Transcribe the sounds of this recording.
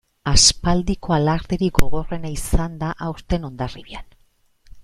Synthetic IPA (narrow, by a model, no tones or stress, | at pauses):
aspald̪iko̞alaɾt̪eɾiɡo̞ɣo̞re̞naisand̪aʔawst̪e̞no̞nd̪ariβian